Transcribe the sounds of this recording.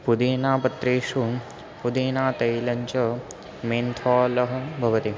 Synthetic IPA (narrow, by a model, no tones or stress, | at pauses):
pud̪eːnaːpɐt̪ɾeːʃu | pud̪eːnaːt̪ɐjlɐɲt͡ʃɐ | meːnt̪ʰɔːlɐɦɐ̆bʱɐʋɐt̪i